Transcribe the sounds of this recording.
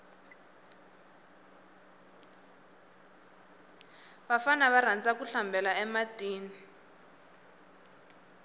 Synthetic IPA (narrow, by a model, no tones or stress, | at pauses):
βafanaβaɾand͡zakuɬambʱɛlaɛmatiːni